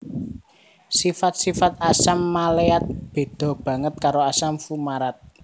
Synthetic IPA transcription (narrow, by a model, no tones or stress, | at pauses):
sifat̪̚sifat̪̚asamːaleat̪̚b̥e̤d̪̥ɔ̤b̥ä̤ŋət̪̚kaɾoasamfumaɾat̪̚